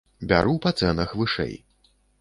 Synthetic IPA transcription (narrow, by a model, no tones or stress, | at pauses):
bʲa̰ɾupɐt̪sɛnɐxvɨʂɛ̰j